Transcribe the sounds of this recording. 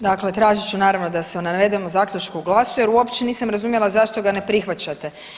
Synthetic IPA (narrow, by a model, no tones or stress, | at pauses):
d̪akle̞t̪ɾaːʒit͡ɕunaːɾaʋno̞d̪aseunaʋe̞d̪emozaːkʎʲut͡ʃkuuɡlˠasuje̞ɾuo̞pt͡ʃeniːsamɾazumje̞lˠazaʃt̪o̞ɡane̞pɾixʋat͡ɕat̪e̞